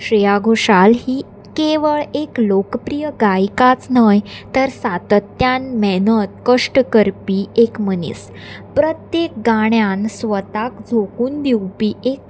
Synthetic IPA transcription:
ɕɾijaɡʱoʂalɦiː | keʋəɭeklokəpɾijəɡajkat͡snəjt̪əɾsat̪ət̪janmɛnət̪̚kəʂʈəkəɾpiekmənḭːs | pɾət̪jek̚ɡaɳ̃jansʋət̪akd͡zʱokuːnd̪iwpiek̚

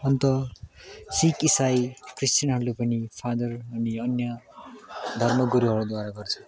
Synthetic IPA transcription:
ʌnt̪ʌ | sikisajkristʌnɦʌlopʌnipʰad̪ʌrʌniʌnjʌ | d̪ʱʌrmʌɡuɾiɦʌɾod̪waɾaɡʌrt͡sʰʌ̥

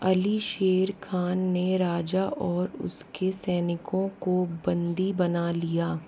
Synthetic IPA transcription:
ɐliʃeːɾkʰaːnːeɾaːd͡ʒaʔɔːɾʊ̰skesɛːnɪkõkobɐ̃nd̪ibɐnalijaː

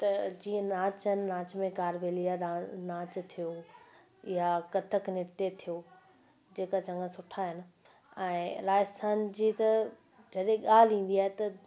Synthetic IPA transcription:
t̪ɐd͡ʑiːə̃naːt͡ɕɪnɪnaːt͡ɕmẽkaːɾʋeːlijaanaːt͡ɕt̪ʰijo | ɪjakɐt̪ʰəknɪt̪et̪ʰijo | d͡ʑeːkat͡ɕɐ̃ŋɡəsʊʈʰaɦɪnɪ̆ | ɛ̃ːɾaːd͡ʑəst̪ʰaːnd͡ʑiːt̪ɐ | d͡ʑɐɗɦẽɠaːl̤ĩːnd̪iaːɦet̪ɐ

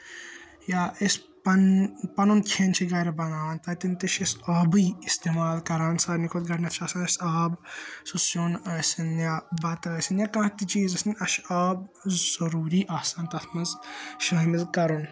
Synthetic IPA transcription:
jaːis | ppɐnunkʰeːnt͡ʃʰiɡɐɾɐbɐŋaːnt̪ɐt̪int̪iʃɐsaːbɨjist̪eːmaːlkɐɾaːnsaːɾnikʰot̪̚ɡɐʈnɐt̪t͡ʃʰaːsɐnɐsaːbsusjonɐsɐnjabɐt̪ɐlɐsinjakɐ̃ɦt̪it͡ʃiːzɐsninʲɐʃaːb̚zɐɾuːɾiːʔaːsaːnt̪ɐt̪ʰmɐzʃaːmilkɐɾun

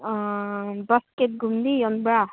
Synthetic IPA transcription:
bɐskeʈ̚ɡumd̪iond̪bɛɭa

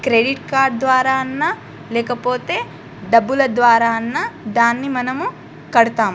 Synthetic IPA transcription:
kɾeɖiʈkaːɾɖ̚d̪ʋaːɾaːɐnːɐ | lɛːkɐpoːt̪e̞ː | ɖɐbːulɐd̪ʋaːɾaːnːɐd̪aːnːimɐnɐmu | kɐɽut̪aːm

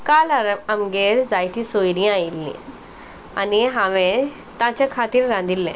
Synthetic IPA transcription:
kalaɾəmɡeɾd͡zajt̪ĩsojɾĩailːḭ̃ | aniɦãʋe | t̪ãt͡ɕakʰat̪iːɾɾãnd̪ʱilːɛ̰̃

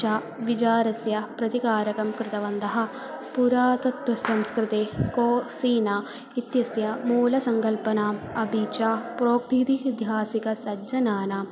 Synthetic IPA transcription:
aː | ʋit͡ʃaːɾɐsjɐpɾɐt̪ikaːɾɐkɐmkɾɪt̪ɐʋɐnd̪ɐɦɐ̆ | puɾaːt̪ɐt̪wɐsɐmskɾɪt̪eːkoːsiːnaː | it̪jɐsjɐmuːlɐsɐŋkɐlpɐnaːɐbʱit͡ʃaːpɾoːkt̪it̪id̪jaːsikɐsɐd͡ʒɐnaːna

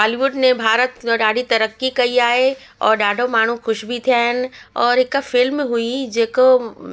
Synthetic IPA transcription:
aːliʋʊɖnebʱaːɾət̪ɖaːɖʱit̪ɐɾəkːikɐiaːe | ɔːɾɖaːɖʱomaːɳ̤ũxʊʃbʱit̪ʰjaɦɛnɔːɾɪkːafɪlmẽɦuid͡ʒeːko

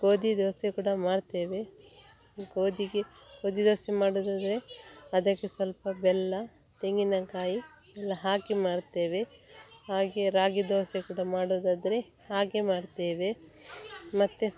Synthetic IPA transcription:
ɡoːd̪id̪oːsekuːɽɐmaːɽt̪eːʋe | ɡoːd̪iɡe | ɡoːd̪id̪oːsemaːɽoːd̪aːd̪ɐɾeɐd̪ɐkːesʋɐlpɐbɛlːɐ | t̪eŋɡinɐkaːjiɛlːɐɦaːkemaːɽt̪e̞ːʋehaːɡeɾaːɡid̪oːsekuːɽɐmaːɽoːd̪aːd̪ɐɾe̞ | haːɡemaːɽt̪eːʋe̞ | mɐt̪ːu

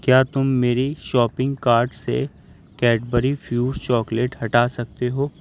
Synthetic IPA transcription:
kjaːt̪ʊmːeːɾiʃɔːpɪ̃ŋɡkaːɾɖsḛ | kɛːʈbəɾifʰjuːɖt͡ʃɔːkleʈhɐʈaːsɐk̚t̪eɦoː

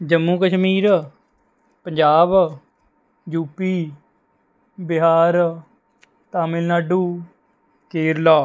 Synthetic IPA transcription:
d͡ʒəmːuːkəʃmiːɾ | pəɲd͡ʒaːb | d͡ʒuːpiː | bɪɦaːɾ | t̪aːmɪlnaːɖuː | keːɾlaː

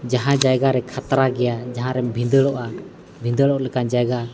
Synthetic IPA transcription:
d͡ʒaɦãd͡ʒajɡaɾɛkʰat̪ɾaɡɛjad͡ʒaɦãɾɛbʱĩnd̪əɽɔʔa | bʱind̪əɽɔʔlɛkand͡ʒajɡa

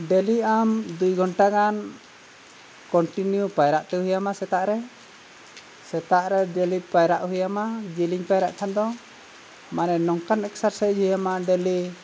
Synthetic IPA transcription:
ɖɛliamd̪ujɡʱɔɳʈaɡan | kɔɳʈinjupajɾaʔt̪ɛɦujamasɛt̪aʔɾɛ | sɛt̪aʔɾɛɖɛlipajɾaʔhujamad͡ʒiliɲpajɾaʔt̪ʰand̪ɔ | manɛnɔŋkanɛksaɾsad͡ʒhujamaɖɛli

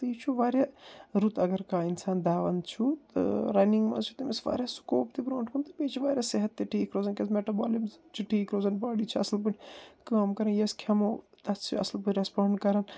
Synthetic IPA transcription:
t̪ɐit͡ʃʰuʋaːɾjaːɾut̪ɐɡɐɾkaːinsaːnd̪aːʋɐnt͡ʃʰut̪ɐ̰ɾɐjniŋɡmã̰t͡ʃʰu̥t̪imesʋa̰ːɾʲjaːsu̥koːpt̪ibɾõːɳʈkunt̪ɐpeːt͡ʃʰiʋaːɾʲjaːseɦɐt̪ːiʈʰiːkɾoːzɐnkʲɐzmeʈɐbaːlimzt͡ʃʰiʈʰiːkɾoːzɐnbaːɽiːt͡ʃʰiɐ̰slbɨnʲkaːmkɐɾɐnjɐskʰɐmo | t̪ɐt͡ʃʰḭɐ̰slbɨɾɐspaːɳɖkɐɾɐn

